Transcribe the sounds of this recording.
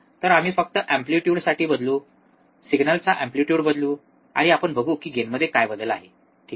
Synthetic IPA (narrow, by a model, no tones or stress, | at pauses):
t̪əɾam̤iːfək̚t̪əʔæmpliʈjuːɽsaʈiːbəd̪luː | siɡnəlt͡saʔæ̃mpliʈjuːɽbəd̪luː | a̰ɽ̃iapəɳbʱəɡuːkiːɡenməd̪ʱːjekajʋəd̪əla̰ɦe | ʈʰiː